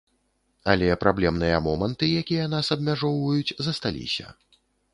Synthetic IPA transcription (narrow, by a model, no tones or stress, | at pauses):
alʲɛpɾablʲɛmnɨjɐmɔmɐnt̪ɨjakʲijɐnasɐb̚mʲaʐɔwvɐjut͡sʲzɐst̪alʲḭsʲɐ̰